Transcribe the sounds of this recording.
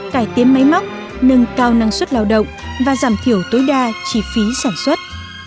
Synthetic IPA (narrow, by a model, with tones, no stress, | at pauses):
kaː˧˩jt̪i˨˦ənma˨˦jma˦˥wk͡p̚ | nə˧ŋkaː˧wna˧ŋswə˦˥t̚laː˧wɗə̰˧˨wŋ͡mvaː˨˩zaː˧˩mt̪ʰi˧˩əwt̪o˨˦jɗaː˧t͡ɕi˧˩fi˨˦saː˧˩nswə˦˥t̚